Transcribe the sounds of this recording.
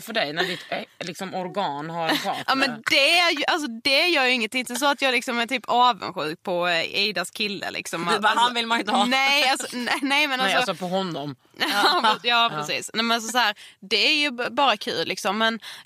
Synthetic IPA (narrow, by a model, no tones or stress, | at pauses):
fœɖɛjnæɖɪt̪lɪksɔmɔɾɡɑːnhaɾʰɑːʔɑːmɛnd̪ɛæɾjʔals̬ɔd̪ɛæɾjœːɾjɵɪŋːənt̪ʰɪnŋt̪əs̬ɔat̪jɑːɡlɪksɔmæt̪ʰyːpʰɑːvə̰nɧʉ̟̰ːk̚pʰɔiːd̪askʰɪlːə̰lɪ̰ksɔmaanvɪlmanɪnt̪ənɛjalsɔɛnɛjmɛnasɔɔsɔpʰɔɦɔnːɔm | jɑjɑːpɾɛsḭːsnɛmɛnals̬ɔs̬ɔhæːɾd̪ɛæɾjɵbɑːɾakʰʉ̟ːllɪksɔmːɛn